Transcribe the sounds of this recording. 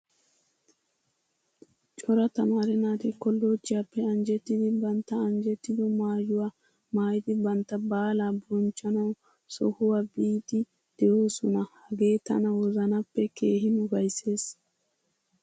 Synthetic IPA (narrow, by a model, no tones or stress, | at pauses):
t͡ʃʼɔɾɐt̪ɐmaːɾɛnaːt̪ɪkɔlːoːt͡ʃːɪjapːɛɐnd͡ʒɛt̪ːɪd̪ɪbɐnt̪ːɐːnd͡ʒɛt̪ːɪd̪ɔmaːjʊwa | maːjɪd̪ɪbɐnt̪ːɐbaːlaːbɔnt͡ʃʼːɐnɐw | sɔ̰hʊwabiːt̪ːɪ | d̪̥ɛʔoːsɔnɐhɐɡe̞ːt̪ɐ̰nɐwɔzɐnɐpːɛkeːɦɪnʊɡɐjse̞ːs